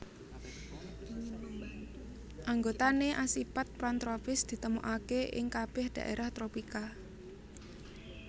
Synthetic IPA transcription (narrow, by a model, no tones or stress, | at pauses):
ʔaŋɡot̪aneʔasipat̪̚pɾant̪ɾopɪsd̪̥i̤t̪əmuʔakeʔɪ̰ŋkab̥ɛhd̪̥ä̤̰ʔeɾaht̪ɾopika